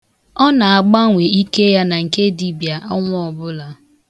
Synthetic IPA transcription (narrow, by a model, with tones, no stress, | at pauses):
ɔ˦na˨a˨ɡ͡ba˦ŋʷe˨i˦ke˦ja˦na˨ŋ̩˨ke˦di˨bja˨ʔa˦ŋʷ˦ɔ˨bʊ˦la˨